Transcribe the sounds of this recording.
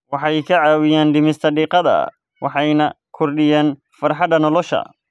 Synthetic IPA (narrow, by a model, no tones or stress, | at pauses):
wɑħɑjkʰɐʕɑːwɪjaːnɖɪmɪst̪ʰɐɖiːqɑðɐ̰ | wɑħɑjnɐ | kʰɔrɖɪjaːn | fɐrħɑd̪ɐnɔlɔʃɐ̰